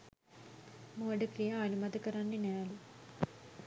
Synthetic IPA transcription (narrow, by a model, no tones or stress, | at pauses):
moːɖɐkɾijɐɐnumɐd̪ɐkɐɾaːnːinealu